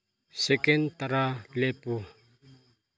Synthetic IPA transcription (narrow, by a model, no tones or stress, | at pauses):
sekɛnt̪aɾalepu